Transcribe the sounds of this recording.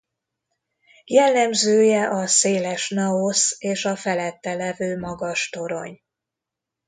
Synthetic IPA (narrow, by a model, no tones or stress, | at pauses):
jɛlːɛmzøːjɛʔɒseːlɛʃnɒoseːʃɒfɛlɛt̪ːɛlɛvøːmɒɡɒʃt̪o̞ɾo̞ɲ